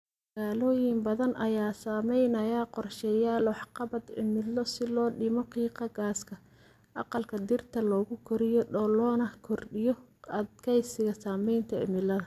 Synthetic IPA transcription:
mɐɣaːlɔːjɪmbɐðɐnʔɐjaːsaːmɛjnɐjaqɔrʃɛːjaːlwɑħqɑβɐd̪ɪ̰mɪlːɔsɪlɔːɗɪmɔqiːqɑɣaːskʰɐ | ʔɑ̰qɑlkʰɐd̪ɪrt̪ʰɐlɔːɣʊkʰɔɾɪjɔɗɔlɔːnɐkʰɔrɗɪjɔɐd̪kʰɛjsɪɣɐsaːmɛjnt̪ʰɐɪ̰mɪlːɐðɐ

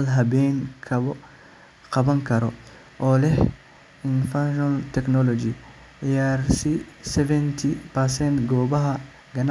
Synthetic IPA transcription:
lɦɐbɛjŋkʰɐɔ | qɐbɐŋkʰɐɾɔ | ʔɔːlɛh | ɪnfaʃalt̪ɛknɔlɔd͡ʒi | jaɾsisɛvɛnt̪ʰipɐɾsɛnt̪ɡɔːbɐɦɐ | ɡɐn

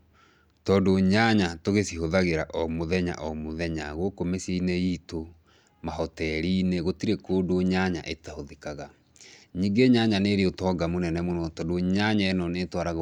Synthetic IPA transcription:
tɔːndoɲaɲatoɣesiɦoðaɣeɾaʔɔmoðɛɲa̰ʔɔmoðɛɲa̰ɣokomeseineiːto | maɦɔtɛɾiːneɣotiɾekoːdoɲaɲa̰ʔetahoðekaɣa | ɲiːŋɡeɲaɲaneːɾeotɔːɡamonɛnɛmonɔtɔndoɲaɲaɛnɔnetwaɾaɣ

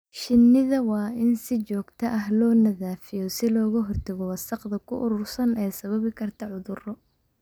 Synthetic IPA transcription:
ʃɪnːɪðɐwɑːɪnsɪt͡ʃɔːɡt̪ʰɐʔɐɦlɔːnɐðaːfɪjɔsɪlɔːɣɐɦɔrt̪ʰɐɣɔwɑsɑqðɐkʰʊʔʊɾʊrsɐnɛjsɐβɐβɪkʰɐrt̪ʰɐʕʊðʊrɔ

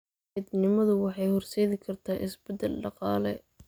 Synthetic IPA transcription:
ɪd̪nɪmɐðʊwɑħɑjhɔrsɛːðɪkʰɐrt̪ʰaːʔɪsbɛd̪ɛlɖɑqɑːlɛ̰

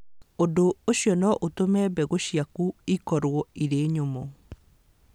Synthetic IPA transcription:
odooɕjɔnɔʔotomɛbɛɣoɕiakuikɔɾwɔiɾeːɲomɔ

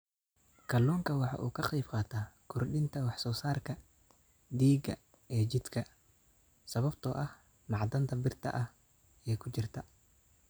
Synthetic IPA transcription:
kʰɐlːɔːŋkʰɐwɑħɑ̰ːʔṵːkʰɐqɛjbqɑːt̪ʰaːkʰʊrɖɪnt̪ʰɐwɑħsɔːsaːrkʰɐ | d̪iːɡɐ | ɛːt͡ʃɪd̪kʰɐ | sɐβɐbt̪ʰɔːʔɐh | nɑʕd̪ɐnt̪ʰɐbɪrt̪ʰɐ̰ʔɐh | ɛːkʰʊt͡ʃɪrt̪ʰɐ

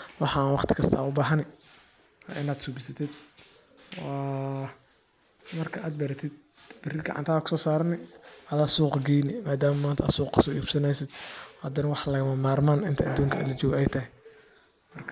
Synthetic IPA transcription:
wɑħɑnwɑχt̪ʰɪ̥kʰɐst̪ʰa̰ːʊbaːɦɐnɪ | wa̰ːʔɪnaːd̪sʊbɪsɐt̪ʰɪd̪ | wa | mɐrkʰɐʔaːd̪̚bɐɾɐt̪ʰɪd̪̚ | b̥ɪrɪɡɐ̰ʕɑ̰nt̪ʰaːkʰʊ̥sɔːsaːɾɐnɪʔɐðaːsuːqɡiːnɪmaːd̪aːmmaːnt̪ʰa̰ːd̪suːqkʰɐsɔːʔiːbsɐnɛjsɪd̪hɐd̪ɛnɐwɑħlɐɣɐmɐmaːrmaːnɪnt̪ʰɐɐd̪uːŋkʰɐɐ̰lɐt͡ʃɔːɣɛjt̪ʰɐɦɪ | mɐrkʰ

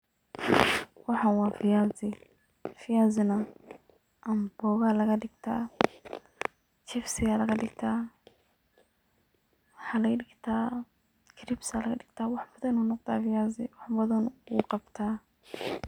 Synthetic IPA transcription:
wɑħanwaːfɪjaːzɪ | fɪjaːzɪnɐ | ʔɐmbɔːɣaːlɐɣɐɖɪɡt̪ʰa̰ː | t͡ʃɪfsɪɣalɐɣɐɖɪɡt̪ʰaː | wħaːlɐɐdɪɡt̪ʰaː | kʰɾɪbsalɐɣɐdɪɡt̪ʰaːwɑħbɐðɐnunɔqt̪ʰaːfɪjaːzɪwɑħbɐðɐnuqɑbt̪ʰaː

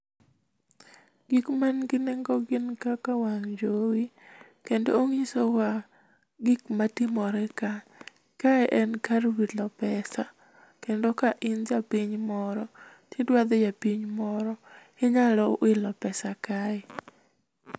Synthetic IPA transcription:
ɡikmanɡɪnɛŋɡɔɡɪnkakawaŋd͡ʒowi | kendo̰oŋisowa | ɡikmatɪmɔɾɛka | kaɛʔɛnkaɾwidlɔpɛsa | kendokaʔɪnd͡ʒapiɲmɔɾɔ | tjedwad̪ɛjapiɲmɔɾɔ | ɪɲalɔʔɪlɔpɛsakaɛ

